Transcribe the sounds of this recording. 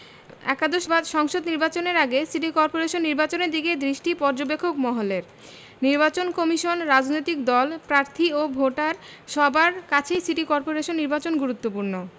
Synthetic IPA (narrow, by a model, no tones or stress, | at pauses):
ɛ̰kad̪oʃbad̪ʃɔŋʃod̪niɾbat͡ɕoneɾaɡesiʈikɔɾpoɾeʃonːiɾbat͡ɕoneɾd̪iked̪ɾiʃʈipɔɾd͡ʑobekʰːokmɔɦoleɾ | niɾbat͡ɕonkɔmiʃonɾad͡ʑnojt̪ik̚d̪ɔlpɾaɾt̪ʰiobʱoʈaɾʃɔbaɾkat͡ɕʰejsiʈikɔɾpoɾeʃonːiɾbat͡ɕonɡuɾut̪ːopuɾno